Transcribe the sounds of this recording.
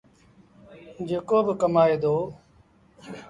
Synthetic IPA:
d͡ʒeːkoːbəkəmaːeːd̪oː

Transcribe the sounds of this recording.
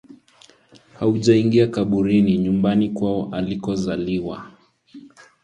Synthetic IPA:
hauʄaiŋɡiakaɓuɾiniɲumbanikwaɔʔalikɔzaliwa

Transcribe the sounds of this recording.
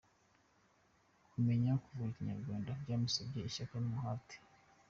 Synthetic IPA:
kumeɲakuvuiciɲa̰ɾɡwaːndaubɟaːmisabɟeiʃakamuhati̥

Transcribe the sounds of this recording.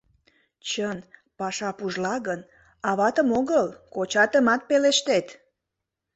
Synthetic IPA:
t͡ɕənpɑʃɑpuʒlɑɣən | ɑβɑt̪əmoɣəlkot͡ɕɑt̪əmɑt̪̚peleʃt̪et̪

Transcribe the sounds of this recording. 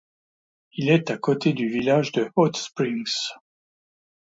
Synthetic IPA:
ilɛt̪akot̪ed̪yvilaʒd̪əot̪spχiŋs

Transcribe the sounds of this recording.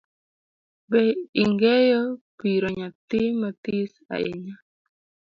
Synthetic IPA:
bɛiŋɡɛjɔpiɾoɲat̪ɪmat̪isa̰ɪ̰ɲa

